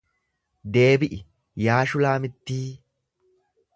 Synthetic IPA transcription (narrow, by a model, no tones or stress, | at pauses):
d̪e̞ːbɪʔɪ | jaːʃʊlaːmɪt̪ːiː